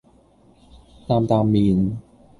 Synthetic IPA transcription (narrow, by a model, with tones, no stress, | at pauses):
t̪aː˧mt̪aː˧mːiː˧˩n